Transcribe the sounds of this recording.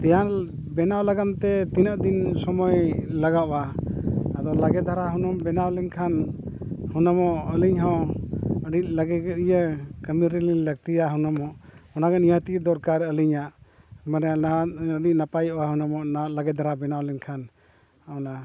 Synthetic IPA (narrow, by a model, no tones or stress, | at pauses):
t̪ɛjan | bɛnawlaɡamt̪ɛt̪inəʔd̪insɔmɔjlaɡaʔɔwa | ad̪ɔlaɡɛd̪ʱaɾaɦunɔmbɛnawlɛɲkʰan | hunɔmɔʔəliɲɦɔ̃ | əɖit̪̚ləɡɛɡɛijəkəmiɾiliɲlək̚t̪ijaɦunɔmɔʔɔnaɡɛnijət̪iəd̪ɔɾkaɾəliɲaʔ | mənɛaəɖic̪̚napajʔwaɦunɔmɔʔnawʔ̪̚laɡɛd̪ʱaɾabɛnawlɛɲkʰan | ɔna